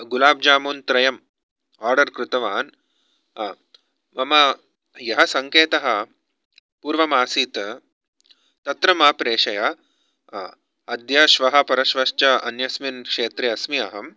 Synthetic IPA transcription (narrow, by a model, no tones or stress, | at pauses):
ɡulaːb̚d͡ʒaːmuːnt̪ɾɐjɐm | aːɾɖɐɾkɾɪt̪ɐʋaːn | mɐmɐ | jɐɦɐsɐŋkeːt̪ɐɦɐ̆ | puːɾʋɐmaːsiːt̪ | t̪ɐt̪ɾɐmaːpɾeːʃɐjɐ | ɐd̪jɐʃʋɐɦɐ̆pɐɾɐʃʋɐʃt͡ʃɐɐ̰njɐsminkʂeːt̪ɾeɐsmiɐɦɐm